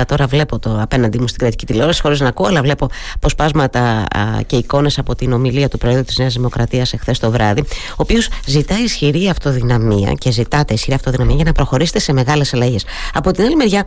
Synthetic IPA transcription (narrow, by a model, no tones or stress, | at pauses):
ɐt̪o̞ɾɐvle̞po̞t̪o̞ɐpe̞nɐnd̪imust̪iɡɾɐt̪i̥cit̪ileoɾɐsi̥xo̞ɾiznɐkuoɐlɐvle̞po̞pospɐzmɐt̪ɐce̞iko̞ne̞sɐpo̞t̪ino̞miliɐt̪upɾoeðɾut̪izneɐzðimo̞kɾɐt̪iɐsexθe̞st̪o̞vɾɐði | o̞ːpio̞szit̪ɐisçiɾiɐft̪o̞ðinɐmiɐ̰ce̞zit̪ɐt̪e̞isçiɾiɐft̪oðinɐmiɐʝɐnɐpɾo̞xo̞ɾise̥t̪ese̞me̞ɣɐle̞sɐlɐʝe̞sɐpo̞t̪inɐlime̞ɾʝɐ